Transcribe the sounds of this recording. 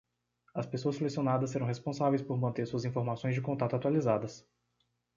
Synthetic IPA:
ɐspesoɐselesionad̪ɐsːeɾɐ̃w̃ɦespõsavejspoɾmɐ̃nt̪esuɐzĩfoɾmasõj̃zd͡ʒɪkõnt̪at̪ʊat̪walizad̪ɐs

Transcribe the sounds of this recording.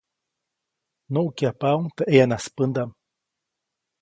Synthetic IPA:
noukjapawŋt̪aʔeanaspɨnd̪am

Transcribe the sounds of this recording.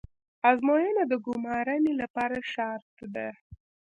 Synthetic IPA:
ɑzmojanad̪əɡʊmɑɾanelapɑɾaʃɑɾt̪d̪a

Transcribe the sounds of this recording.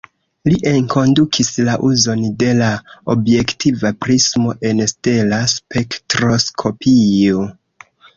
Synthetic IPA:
liʔeŋko̞ndukʰislaʔuzo̞nde̞laobje̞ktʰivapɾismo̞ʔe̞nste̞laspektɾo̞skʰo̞pʰio

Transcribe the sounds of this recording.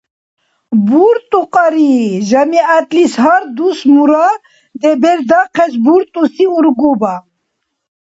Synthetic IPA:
buɾt̪ʼuqɑɾiʒɐmiat̪lisɦaɾd̪usmuɾa | d̪ebeɾd̪aqʰɛzbuɾt̪ʼusiuɾɡuba

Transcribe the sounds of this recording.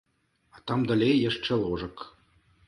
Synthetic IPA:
ɑt̪ɑmd̪ɤ̆lʲejjɘ̆ʂt͡ʃĕlˠoʐɤ̆k

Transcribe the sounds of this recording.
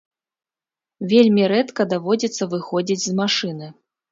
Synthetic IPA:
vʲelʲmʲiɾɛt̪kɐd̪avɔd͡zʲit̪sːɐvɨxɔd͡zʲid͡zʲzmaʂɨnɨ

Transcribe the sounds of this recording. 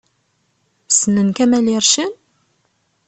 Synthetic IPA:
sənənkæmælɪɾˤʃən

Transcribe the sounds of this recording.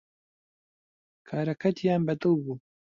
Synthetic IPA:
kʰaːɾɐkʰɐt̪ʰjaːnbɐt̪owbuː

